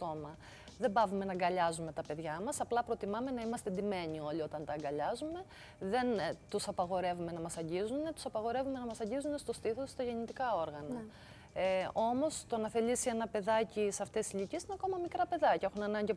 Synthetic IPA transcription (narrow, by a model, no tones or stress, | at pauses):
t̪o̞mɐ | ðembɐvume̞nɐɡɐʎɐzume̞t̪ɐpe̞ðʝɐmɐsɐplɐpɾo̞t̪imɐme̞nɐimɐst̪ed̪ime̞nio̞lio̞t̪ɐnt̪ɐɡɐʎɐzume̞ | ðe̞nt̪usɐpɐɣo̞ɾe̞vume̞nɐmɐsɐɲɟizune̞t̪u̥sɐpɐɣo̞ɾe̞vume̞nɐmɐsɐɲɟizunest̪o̞st̪iθost̪ɐʝe̞nit̪ikɐo̞ɾɣɐnɐ | o̞mo̞st̪onɐθe̞lisie̞nɐpe̞ðɐcisɐft̪e̞siʎicesinɐko̞mɐmikɾɐpe̞ðɐcɐe̞xunenɐɲɟi